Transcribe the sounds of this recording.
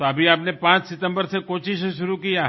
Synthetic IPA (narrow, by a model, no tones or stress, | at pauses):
t̪oɐbʱiaːpnepãːt͡ʃsɪt̪ə̃mbəɾsekoːʃɪʃʃʊɾukija